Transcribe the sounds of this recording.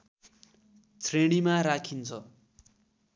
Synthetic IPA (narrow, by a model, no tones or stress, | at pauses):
t͡sʰreɽ̃imaɾakʰint͡sʰʌ